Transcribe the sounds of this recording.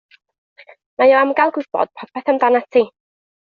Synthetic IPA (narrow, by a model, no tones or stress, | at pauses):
majoamɡalˠɡʊðb̥ɔ̰d̥pʰɔpʰɛθamdanatʰi